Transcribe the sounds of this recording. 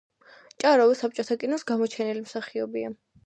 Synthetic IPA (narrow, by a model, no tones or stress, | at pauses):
t͡ʃʼaɾɔvɛsap̚t͡ʃʼɔt̪ʰakʼinɔsɡamɔt͡ʃʰɛnɛlimsaχiɔbia